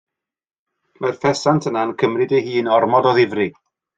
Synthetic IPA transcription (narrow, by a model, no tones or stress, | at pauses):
marfɛsantʰənankʰəmrɨdejɦiːnɔrmɔdɔðɪvrɨ